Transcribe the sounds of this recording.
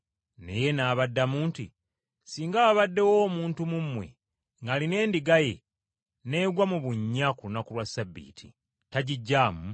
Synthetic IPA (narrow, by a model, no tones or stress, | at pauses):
ne̞̰je̞naːβadːamuːnti | siːŋɡaβaβadːe̞wo̞ːmuːntumumwe̞̰ | ŋɡaːline̞ːndiɡaje̞ | ne̞ːɡwamuβuɲːakulunakulwasabːḭːtʰḭ | taɟiɟːaːmu